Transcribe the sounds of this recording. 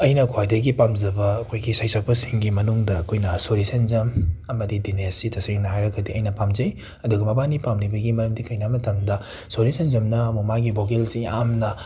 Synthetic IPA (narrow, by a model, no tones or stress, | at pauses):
ɐjnɐkʰwajdɐɡipamzɐbɐɐkʰojɡisajsɐk̚pɐsiŋɡimɐnuŋdɐːkʰojnɐsoɾisɐnzɐmɐmɐdidinesitʰɐseŋnɐhajɾɐɡɐdiɐjnɐpamzɐj | ɐduɡɐmɐbanipamnibɐɡimɐɾɐmdikʰɐjnamɐtʰɐmdɐ | soɾisɐnzɐmnɐɐmuk̚maɡibokelsia̰mnɐ